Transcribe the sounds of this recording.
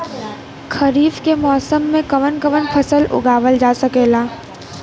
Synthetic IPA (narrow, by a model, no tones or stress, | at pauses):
kʰɐɾiːfkemɔːsəmːẽkɐʋənkɐʋənpʰɐsəlʊ̰ɡaːʋəld͡ʒaːsɐkeːlaː